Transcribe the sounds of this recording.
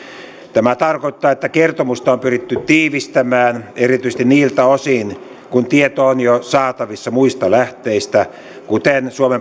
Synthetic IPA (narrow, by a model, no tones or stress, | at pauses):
t̪æmæt̪ɑrkoit̪ːɑːet̪ːækert̪omust̪ɑompyrit̪ːytt̪iːʋist̪æmæːnerit̪yist̪iniːlt̪æosin | kunt̪iet̪oːnjosɑːt̪ɑʋisːɑmuist̪ɑlæht̪eist̪æ | kut̪ensuome